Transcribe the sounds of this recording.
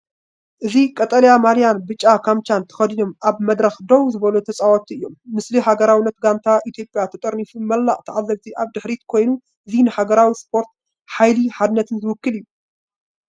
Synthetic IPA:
ʔɨzikʼɐt̪ʼɐljamalijanbɨt͡ʃʼːakʰamt͡ʃant̪ʰɐ̥xɐd̪inomʔaβmɐd̪ɾɐxd̪owzɨβɐlut̪ʰɐt͡sʼawot̪ʰiɨjːo̞mːɨsliɦaɡɐɾawɨnːɐt̪ɡant̪ʰaʔit̪ʰjo̞pʼjat̪ʰɐt̪ʼɐɾnifumɐlːaʔʼt̪ʰɐʕazːɐβt̪ʰiʔaβd̪ɨħɾit̪kʰo̞jnu | ʔɨzinɨħaɡɐɾawispʰo̞ɾt̪̚ | ħajliħad̪ɨnːɐt̪ʰɨnzɨwɨkːɨlijːu

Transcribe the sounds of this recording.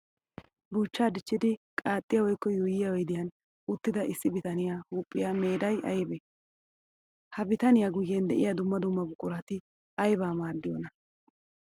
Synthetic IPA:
buːt͡ʃːaːd̪ɪt͡ʃːɪd̪ɪkʼaːt̪ʼːɪjɐwɔjkːɔjuːjɪjɐwɔjd̪ɪjɐn | ʊt̪ːɪd̪ɐʔɪsːɪbɪt̪ɐnɪjaːhuːpʼːɪjame̞ːd̪ɐjɐ̰jbɛ | hɐbɪt̪ɐnɪjaɡʊjːend̪ɛʔɪjɐd̪ʊmːɐd̪ʊmːɐbʊkʼːʊɾɐt̪ɪ | ɐjbaːmaːɾd̪ɪjoːnɐ

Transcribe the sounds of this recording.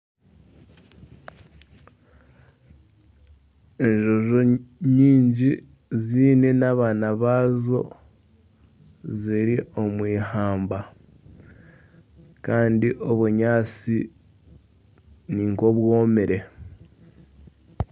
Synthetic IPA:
e̞ɲʒo̞ʒoɲiːɲɟi | ziːne̞naβaːnaβaːzo̞̰ | ziɾiʔo̞mwiːhaːmba | kaːndiʔo̞βuɲaːt͡si | niŋko̞βwo̞ːmeɾe̞

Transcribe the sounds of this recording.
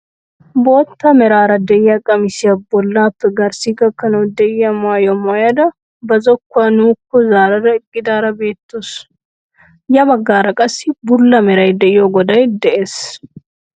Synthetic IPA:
bo̞ːt̪ːɐmɛɾaːɾɐd̪ɛjɐkʼɐmɪsɪjɐbɔlːaːpːɛɡɐɾsiɡɐkːɐnɐwd̪ɛjɐmʊaːjɔmajɐd̪ɐ | bɐzɔkːɐnuːkːɔzaːɾɐd̪ɐɪkʼːɪd̪aːɾɐbe̞ːt̪ːos | jɐbɐɡːaːɾɐkʼɐsɪbʊlːɐmɛɾɐjd̪ɛjoɡɔd̪ɐjd̪ɛʔeːs

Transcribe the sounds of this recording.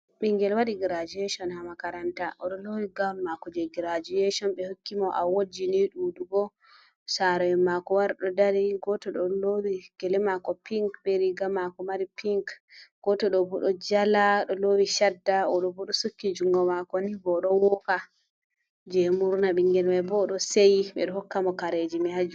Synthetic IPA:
ɓiŋɡɛlwaɗiɡiɾad͡ʒiɛʃɔnhamakaɾantaʔɔɗɔlowiɡalːakɔd͡ʒɛɡiɾad͡ʒijɛʃɔnɓɛhokːimɔʔawod͡ʒiniɗuːduɡɔ | saɾɔɛmakɔwaɾɗɔdaɾiɡɔtɔɗɔlowiɡ̥ɛlɛmakɔpiŋkbɛɾiɡamakɔmaɾipiŋkɡ̥ɔtɔɗɔbɔɗɔd͡ʒalaɗɔlowiʃadːaɔɗɔbɔɗɔsukːid͡ʒuŋɡɔmakɔnibɔɗɔwɔka | d͡ʒɛmuɾnaɓiŋɡɛlmabɔɗɔsejiɓɛ̰ɗɔhɔkːamɔkaɾed͡ʒimɛhad͡ʒu

